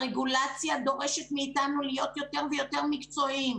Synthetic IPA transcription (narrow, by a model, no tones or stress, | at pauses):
ʁeɡulat͡sjad̪o̞ʁe̞ʃet̪miːtanulijo̞t̪jo̞t̪e̞ʁvejo̞te̞ʁmikt͡so̞im